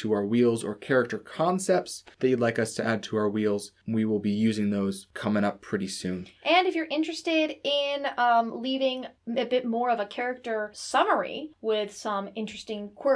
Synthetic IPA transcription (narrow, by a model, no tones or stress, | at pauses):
tʰəaʊə˞wilˠzə̰˞kʰɛɹɨk̚tə˞kʰɑ̃nsɛp̚tsðɨtɨlaɪkʌstʰɨʔæd̚tʰəaʊə˞wilˠz | wiwɪlˠbijʉzɪ̃ŋðoʊz̥kʰʌmɪ̃ŋʌpʰːɹ̥ɪɾisʉ̃nʔɨ̃nɨfjə˞ʔɪ̃nt͡ʃɹ̥ɨstɪɾɪ̃nlivɪ̃ŋɨbɪt̚mɔɹʌvɨkʰɛɹɨk̚tə˞sʌmə˞ḭwɪð̥sʌ̃mɪ̃nt͡ʃɹ̥ɨstɪ̃ŋkʰw̥ɜ